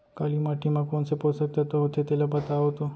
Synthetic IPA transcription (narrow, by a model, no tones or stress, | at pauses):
kalimaʈʰimãkoɳseposəkt̪at̪oɦot̪ʰet̪elapət̪aːɦot̪o